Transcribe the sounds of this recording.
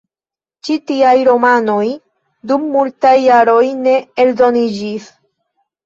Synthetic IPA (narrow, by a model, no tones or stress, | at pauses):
t͡ʃitiajɾo̞mano̞j | dumːultajːaɾo̞jne̞eldo̞nid͡ʒis